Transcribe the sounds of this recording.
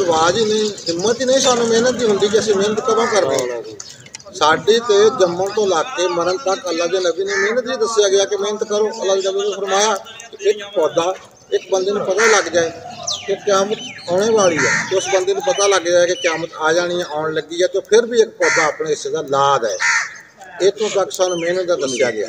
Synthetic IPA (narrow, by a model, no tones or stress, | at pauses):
ʋaːd͡ʒiːnəĩːɦɪmːət̪iːnəĩːsaːnũːmeːnət̪̚d̪iːɦʊ̃nd̪iːk̬iəsĩːmẽːnət̪kəmãːkəɾd̪eː | saːɖiːt̪eːd͡ʒəmːõːt̪õːlaːɡkeːməɾənt̪əkəlːaːd͡ʒ̪eːnəbiːneːmeːnət̪iːd̪əsjaːɡɪaːkɪmeːnət̪kəɾoːəlːaːd͡ʒed͡ʒəbẽːnũːpʰəɾmaːjaː | kɪɪkpɔːd̪aː | ɪkbənd̪eːnũːpət̪aːləɡd͡ʒaːɛːkekaːmət̪̚aːɽ̃eːbaːɭiːɛːt̪ːʊsbənd̪eːnũːpət̪aːləɡd͡ʒaːɛːkekaːmət̪aːd͡ʒaːɽ̃ijãːʔaːʊɳləɡiːɛːd͡ʒõːpʰɪɾbiːɪk̚pɔːd̪aːaːpɳeːɪseːd̪aːlaːd̪ɛ̰ː | etõːpaːkɪ̥saːnũːmeːnət̪̚d̪aːd̪əsja̰ːɡɪa̰ː